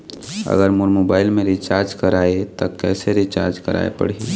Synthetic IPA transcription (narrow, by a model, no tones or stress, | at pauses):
ə̰ɡəɾmʊɾmoːbaːɪlmẽɾit͡ʃaːɾd͡ʒkəɾaːet̪ɔkɛːseɾit͡ʃa̰ːɾd͡ʒkəɾa̰ːḛpə̰ɽ̤i